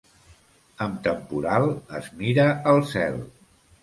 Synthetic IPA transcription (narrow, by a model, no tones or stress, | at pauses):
əmt̪əmpuɾalˠəzmiɾəəlˠsɛ̰lˠ